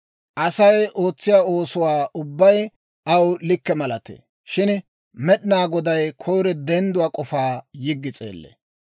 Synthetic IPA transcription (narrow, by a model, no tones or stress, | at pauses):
ʔɐsɐjʔo̞ːt͡sːɪjaːo̞ːsʊwaːʔʊbːɐj | ʔɐwlɪkːɛmɐlɐt̪ḛː | ʃɪn | mɛɗɪnaːɡɔd̪ɐjkʰɔjɾɛd̪ɛnd̪ʊwaːkʼɔfaːjɪɡːɪt͡sʼḛːlːḛ